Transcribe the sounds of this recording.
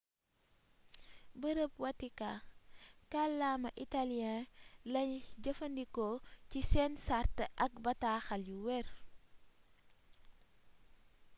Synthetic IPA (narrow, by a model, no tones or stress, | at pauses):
bəɾəp̚wɐtika | kalːamɐʔitaliãlɐɲɟəfɐndikɔcisɛːnsartəʔɐk̚bɐtaːxɐljuwɛr